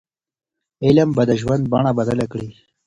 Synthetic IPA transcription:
ɪlambad̪əʒwand̪̚baɳabad̪alakɽi

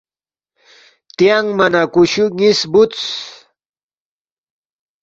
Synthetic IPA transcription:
t̪ijaŋmanakʊʃʊŋɪsbʊt͡s

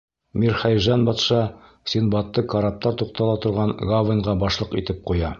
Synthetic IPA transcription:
miɾχæjʒɑnbɒt̪ʃɑ | sʲinbɑt̪ːɤkɑɾap̚t̪ɑɾt̪uq̚t̪ɑlˠɑt̪ŏɾʁɑɴɡavɤnʁɑbɒʃlˠɤqit̪ɘp̚qujɑ

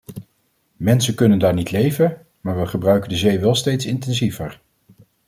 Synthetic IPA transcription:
mɛnsəkɵnəndaːɹnitlejvən | maːɹʋəχəbrœɥkəndəzejʋɛlˠstejtsɪntɛnzivəɹ

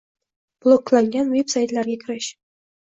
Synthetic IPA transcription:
b̥lˠoklˠaŋɡʲanvepsajt̪lʲæɾɡʲakʲʰɪɾɘɕ

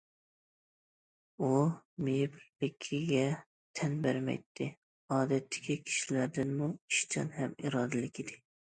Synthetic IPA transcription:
umejbbɪkʲʰːiɡʲɛ | t̪ʰɛnbæɾmɛ̰jt̪ʰːɪ | ɑːd̪ɛt̪ʰːɪ̥kʲʰikʲʰi̥ʃilæɾd̪ɪnmuiʃt͡ʃʰɑ̰nhɛmiɾɑːd̪ɪlɪkʲɪd̪ɪ

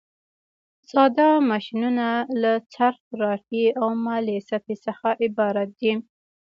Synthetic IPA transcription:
sɑd̪ɑmɑʃinunalat͡saɾxɾɑʈiawmɑlesapisəxaʔɪbɑɾat̪̚d̪i

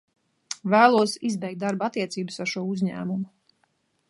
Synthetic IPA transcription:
væːlˠuɔsizbɛjkt̪̚d̪aɾbat̪ːiɛt̪siːbɨsaɾʃuɔuzʲɲæ̰ːmumu

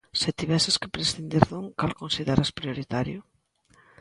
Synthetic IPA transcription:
set̪iβɛseskɪpɾesθind̪iɾðoŋkalkonsiðeɾaspɾioɾit̪aɾjʊ

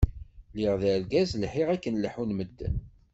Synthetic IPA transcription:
liʁðælɡæzlħiʁækːənləħunməd̪ːə̰n

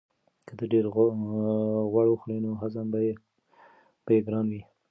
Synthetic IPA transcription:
kəd̪əɖeɾ | ɣwaɽwəxlinoɦazamba | b̥ajeɡɾɑnwi

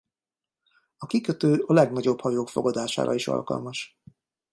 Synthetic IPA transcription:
ɒkikøt̪øːʔɒlɛɡnɒɟo̞bhɒjoːkfo̞̰ɡɒd̪aːʃa̰ːɾʔɒ̰iʃɒ̰lkɒ̰lmɒʃ

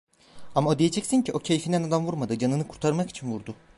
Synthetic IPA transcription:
amaod̪ijed͡ʒɛcsinɲciʔo̞cʰe̞jfind̪ænad̪amvuɾmad̪ɯd͡ʒanɯnɯkʰuɾt̪ʰaɾmaki̥t͡ʃʰinvuɾd̪ʊ

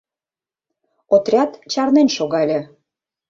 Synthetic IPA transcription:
ot̪rʲɑt̪t͡ɕɑrnenʃoɣɑlʲĕ

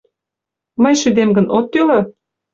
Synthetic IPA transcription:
məjʃyd̪emɡə̆nʔot̪ːylɤ

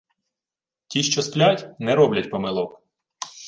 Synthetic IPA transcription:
tʲiʃt͡ʃɔsplʲatʲnɛɾɔblʲɐtʲpɔmɪlˠɔk

